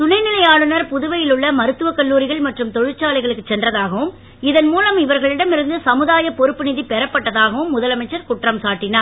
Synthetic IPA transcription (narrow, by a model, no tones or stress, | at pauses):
sʊnɐɪnɪlɐjaːɭɯnɐɾpʊðʊʋɐjɪlɯɭːɐmɐɾɯt̪ːɯʋɐkɐɭːuːɾɪɣɐɭmɐʈrɯmt̪ɔɻɪt͡ʃːaːɭɐɪɣɐɭɯkːɯt͡ʃːɛndrɐðaːɣɐʋɯm | ɪðɐnmuːlɐmɪʋɐɾɣɐɭɪɽɐmɪɾɯnd̪ɯsɐmɯðaːjɐpɔɾɯpːɯnɪðipɛɾɐpːɐʈːɐðaːɣɐʋɯmːʊðɐlɐmɐɪt͡ʃːɐɾkʊʈːrɐmsaːʈːɪnaː